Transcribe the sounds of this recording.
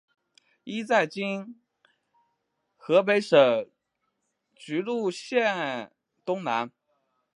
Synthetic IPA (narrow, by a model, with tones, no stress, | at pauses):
i˥t͡sa˥˩ɪt͡ɕi˥n | xɤ˧˥p̬e˧˥ɪʂɤ˨˩ | t͡ɕy˧˥lu˥˧ɕjɛ˥˩n | t̪ʊ˥ŋna˧˥n